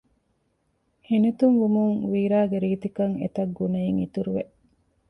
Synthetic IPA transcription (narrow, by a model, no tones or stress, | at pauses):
hinet̪uŋʋumuŋʋiːɾaːɡeɾiːt̪ikɐŋḛt̪ɐɡːunɐjiŋḭt̪uɾuʋeʔ